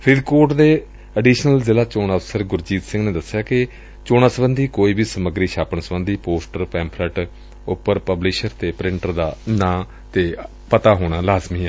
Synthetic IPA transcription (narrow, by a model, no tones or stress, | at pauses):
pʰɾɪd̪koːɾʈd̪eː | əɖiːʃnəlzɪlaːt͡ʃoːnəfsəɾɡʊɾd͡ʒiːt̪sɪ̃ŋɡneːd̪əsːɪjaːkɪ | t͡ʃoːnaːsəbənd̪iːkoːiːbʱiːsəməɡɾiːʃaːpənsəbə̃nd̪iːpoːsʈəɾpɛ̃ːmpʰləʈ | ʊpːəɾpəblɪʃəɾt̪eːpɾɪ̃ɳʈəɾd̪aːnãː | t̪eː | pət̪aːɦoːɽ̃aːlaːzmiːɛː